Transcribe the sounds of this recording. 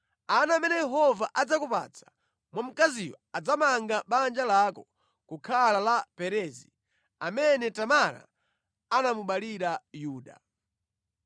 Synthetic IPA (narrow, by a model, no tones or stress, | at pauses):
anamɛnɛjɛɦɔvaʔad͡zakupa̰t͡sʰḁ | mwam̩kaziwɔad͡zamaŋɡaɓand͡ʒalakɔ | kukʰalalapɛɾɛzi | amɛnɛtamaɾa̰ː | namuɓaliɾajuːɗa̰